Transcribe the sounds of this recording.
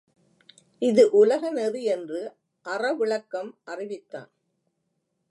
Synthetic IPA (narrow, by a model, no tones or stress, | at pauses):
ʔɪðɯʔʊlɐɣɐnɛðɯɛndrɯ | ʔɐrɐʋɪɭɐkːɐmʔɐrɪʋɪt̪ːa̰ːn